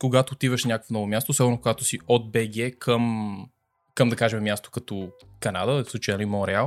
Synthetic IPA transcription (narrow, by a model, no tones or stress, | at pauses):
koɡat̪oːt̪ivəʃnʲakəkfonɔvʊmjast̪oːsɔbəɾnokoɡat̪ʊ̥siod̪̚bɛɡʲɛkʰəm | kəmd̪ɐkaʒɛmɛmʲjast̪o̥kɐt̪o | kɐna̰d̪əsˠut͡ʃajnimoɾɛalˠ